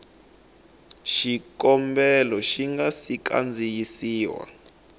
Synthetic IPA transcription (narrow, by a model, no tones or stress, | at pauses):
ʃikɔmbɛlɔʃiŋɡasika̰nd͡zʱijisiːwa̰